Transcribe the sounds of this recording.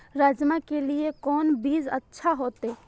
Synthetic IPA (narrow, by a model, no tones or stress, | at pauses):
ɾad͡ʒmakeliekɔːnbiːzə̰tːʃʰaɦoːt̪e